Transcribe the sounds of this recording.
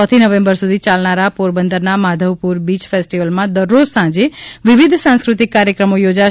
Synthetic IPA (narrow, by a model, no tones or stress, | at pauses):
ɔ̃t̪ʰinəʋẽmbəɾsud̪ʱit͡ʃalnaɾapoɾbənd̪əɾnamad̪ʱəʋpuɾbit͡ʃfʰesʈiʋəlmãd̪əɾːozsãd͡ʒeʋiʋid̪ʱsãskɾut̪ikːaɾjəkɾəmojod͡ʒa